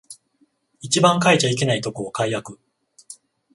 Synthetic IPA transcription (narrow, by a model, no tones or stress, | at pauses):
it͡ɕibãŋkait͡ɕaik̬ʲenait̪o̞koːkaijakɯ̟